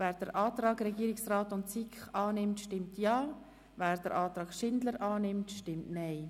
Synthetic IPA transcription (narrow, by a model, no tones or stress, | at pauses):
væːɾd̥əɾʔɑːt̪ɾɑːɡɾɛɡiːɾɪksraːtʊntt͡sikχɑːnɪmtʃtɪmtjɑː | væːɾd̥əɾʔɑːt̪ɾɑːɡ̥ʃɪndləɾʔɑːnɪmtʃtɪmtnɛɪ